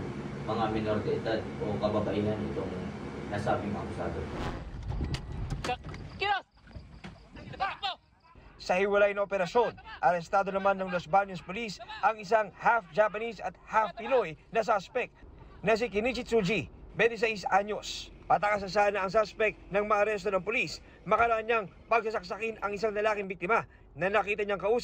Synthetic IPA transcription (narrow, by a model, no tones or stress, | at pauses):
mɐŋamɪnoɾt̪ɛʔɪd̪ad̪̚okɐbabɐʔiːɦɐnʔɪt̪oŋnasaːbɪŋa̰kʊsa̰ːd̪ot̪o | sɐhɪwɐlajnɐʔopɛɾɐʃo̞nʔɐɾɛst̪aːd̪o̞nɐmanːɐŋlosbaɲospʊlisʔɐŋɪsaŋhafd͡ʒapɐnisɐ̰t̪̚hafpɪlojnɐs̬aspɛk̚nɐs̬ɪkɪnit͡ʃɪsud͡ʒibɛnt̪ɪs̬ɛjsaɲo̞spɐt̪ɐkɐs̬ɐsanɐɐŋsaspɛk̚t̪nɐŋmɐʔɐɾɛs̬t̪onɐŋpʊlis | mɐkɐɾaʔaɲaŋ | pɐɡ̚sɐsɐk̚sɐkɪnɐŋɪs̬aŋlɐlaːkɪŋbik̚t̪ɪma | nɐnɐkiːt̪ɐɲaŋkɐʔuːs